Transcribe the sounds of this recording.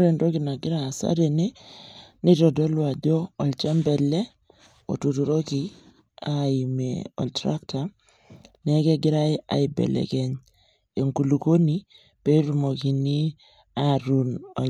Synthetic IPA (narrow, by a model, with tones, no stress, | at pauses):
ɾe˨ndo˦ki˨na˨ɡɪ˦ɾaː˨sa̰˦de˨ne˦ni˦tɔ˨dɔ˦lwa˨dɔː˦˨lt͡ʃɛ˦mbɛ˨lɛ˦ | o̰˨tu˨tu˨ɾo˦ki˨ | a˦i˨mḛ˨ɔ̰˨ltɾa˦kta˨ | nɛ˦kɛ˦ɡɪ˦ɾa˦ɪ˦a̰˨ɪ˨bɛ̰˨lɛ̰˨kɛ˦ɲ | e˨ŋku˨lu˨ko˦ni˨ | pe˦ɾu˨mo˨ki˨ni˦ | a˦ɾu˨nɔ˨